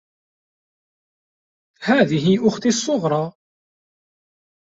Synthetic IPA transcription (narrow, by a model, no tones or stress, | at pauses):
hæːðiɦiʔʊxt̪isˤːʊʁɾˤɑ